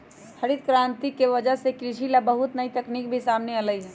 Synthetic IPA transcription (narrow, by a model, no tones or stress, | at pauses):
hʰəɾid̪kɾant̪ikeʋəd͡ʒəɦsekɾiʃilabəɦut̪nəit̪əknik̚bʱisamneələjɦɛ